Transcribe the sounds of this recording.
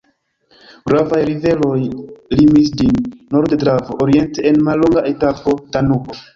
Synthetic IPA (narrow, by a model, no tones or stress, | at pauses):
ɡɾavajɾive̞lo̞jlimis̬d͡ʒinːo̞ɾddɾavoʔoɾie̞nteenmalːo̞ŋɡaʔe̞tapo̞tanuko